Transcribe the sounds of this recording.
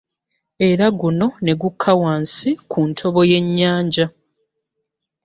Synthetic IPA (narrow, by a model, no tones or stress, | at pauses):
e̞ɾaɡuno̞ne̞ɡukʰːawaːnsikʰuntʰo̞βo̞je̞ɲːaːɲɟa